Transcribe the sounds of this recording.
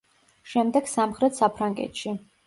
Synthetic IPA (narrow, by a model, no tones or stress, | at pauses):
ʃɛmd̪ɛɡ̥samχɾɛt̪ʰsapʰɾaŋɡɛ̰t̪ʃi